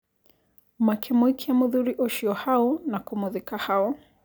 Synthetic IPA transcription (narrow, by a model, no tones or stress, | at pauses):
makʰɛmwikʰiamuðuɾiʔɔʃiɔhaɔnakɔmuðikahaɔ